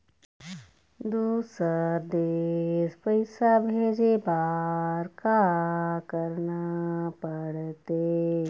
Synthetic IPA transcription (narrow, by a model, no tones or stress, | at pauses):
d̪uːsəɾd̪espəɪsabʱeːd͡ʒebaɾkakəɾnapəɽt̪e